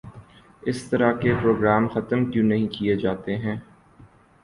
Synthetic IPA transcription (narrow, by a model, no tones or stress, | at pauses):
ɪst̪ɐɾakepɾoːɡɾaːmxɐt̪əmkjũnɐɦĩkijed͡ʒaːt̪eɦɛ̃ː